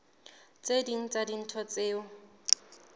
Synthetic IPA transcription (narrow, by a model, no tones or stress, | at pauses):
t͡sediŋ̩t͡sʼadin̩tʰɔt͡seːʊ